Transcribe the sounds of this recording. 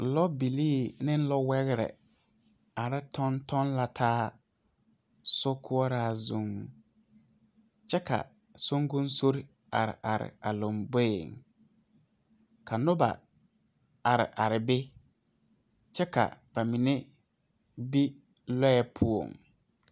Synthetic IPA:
lɔ˦bi˨liː˦˨nɪ̃˦n̩˦lɔ˦wɛ˦ɣɪ˦ɾɛ̰˨ | a˨ɾɪ˦tʰɔ˦ntʰɔ˦nla˨tʰaː˦ | sʊ˦kʰʊ˦ɔ˦ɾa˦˨zu˨ŋ | t͡ʃɛ˦ka̰˨ | so˦ŋɡʊ˦nso˦ɾi˦ | a˨ɾɪ̰˨ʔa˨ɾɪ̰˨a˨lo˨mbe˦˨ŋ | kʰa˨nʊ˦ba̰˨ | a˨ɾɪ̰˨ʔa˨ɾɪ˨bɪ˦ | t͡ʃɛ˦ka̰˨b̥a˨mi˨ne˦ | bi˦ | lɔ˦ɛ˦pʰu˦o̰˨ŋ

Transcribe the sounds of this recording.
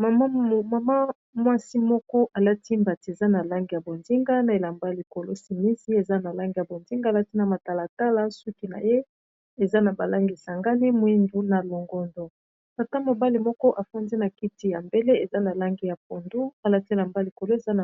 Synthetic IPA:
ma˨ma˦˨ma˨ma˦ | mwa˦si˦mɔ˦kɔ˦ʔa˨la˦ti˦mba˨ti˨e˨za˦na˨la˦ŋɡi˦ja˨bo˨ndi˦ŋɡa˦na˨e˨la˨mba˦˨li˨ko˨lo˦si˨mi˦si˦e˨za˦na˨la˦ŋɡi˦ja˨bo˨ndi˦ŋɡa˦˨la˦ti˦na˨ma˨ta˨la˨ta˦la˦su˦ki˦na̰˨je˦ | e˨za˦na˨ba˨la˦ŋɡi˨sa˨ŋɡa˦ni˦mwi˦ndu˦na˨lo˨ŋɡɔ˨ndo˨ | ta˨ta˦mo˨ba˦li˨mɔ˦kɔ˦ʔa˨fa˦ndi˦na˨ki˦ti˨ja˨mbe˦le˦e˨za˦na˨la˦ŋɡi˦ja˨p̚o˨ndu˦a˨la˦ti˦e˨la˨mba˦li˨ko˨lo˦e˨za˦na˨

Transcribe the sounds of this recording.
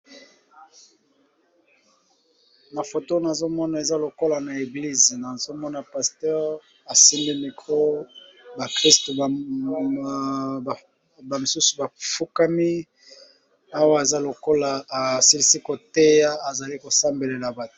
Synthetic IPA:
na˨fo˨to˦na˨zo˦mɔ˦na˨e˨za˦lo˨ko˦la˨na˨e˨ɡli˦zi˨na˨zo˦mɔ˦na˨pa˨stɔ˦ʁ | a˨si˦mbi˦mi˨ko˦ba˨kʁi˦sto˨ | ba˨mi˨su˦su˨ba˨fu˦ka˦mi˦ | a˦wa˦˨e˨za˦lo˨ko˦la˨a˨si˦li˦si˦ko˨te˦ja˦a˨za˨li˦ko˨sa˦mbe˨le˨la˨ba˨tu˨

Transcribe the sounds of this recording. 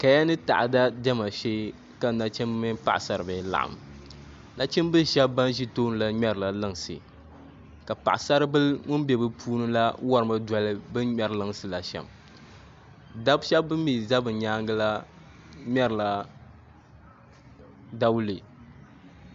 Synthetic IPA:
ka˨ja˦nɨ˦ta̰˨ʔa˨da˦dɛ˦ma˨ʃe˦ | ka˨na˨t͡ʃɛ˦m˦mɨ˦npa̰˨ʔsa˦ɾɨ˨bɨ˨la̰˨ʔa̰˨m˨ | na˦t͡ʃɛ˦mbɨ˦ʃɛ˦bba˦n˦ʒi˦toː˦nɨ˨la˦ɲɛ˦ɾɨ˨la˨lɨ˦ŋ˨sɨ̰˨ | ka˨pa̰˨ʔa˨sa˦ɾɨ˦bɨ˦lŋʊ˦nbɛ˨bɨ˦pʰuː˦nɨ˦la˦wa˦ɾɨ˨ma˦da˨lɨ˦bɨ˦ɲɛ˦ɾɨ˦lɨ˦ŋsɨ˨la˨ʃɛ̰˨m | da˦bʃɛ˦bbɨ˦mmi˨za˦bɨ˨ɲaː˦ŋɡɨ˦la˦ | ɲɛ˦ɾɨ˨la˨ | da˦wlɨ˨

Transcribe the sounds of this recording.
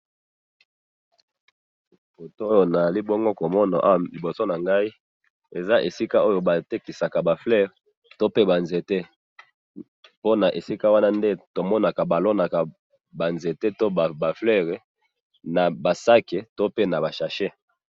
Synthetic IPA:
fo˨to˦jo˨na˨li˦bo˦ŋɡo˦ko˨mɔ˦na̰˨ʔa˦˨li˨bo˨so˦na˨ŋɡa˦i˦ | e˨za˦ʔe˨si˦ka˦ʔo˦jo˨ba˨te˦ki˨sa˨ka˨ba˨flɛ˦˨ʁ | to˦pe˦ba˨nze˨te˦ | po˦na˨ʔe˨si˦ka˦wa˦na˦nde˦to˨mɔ˦na˨ka˨ba˨lo˦na˨ka˨ | ba˨nze˨te˦to˦˨ba˨flɛ˦ʁe˨ | na˨ba˨sa˦ke˨to˦pe˦na˨ba˨ʃa˨ʃe˦

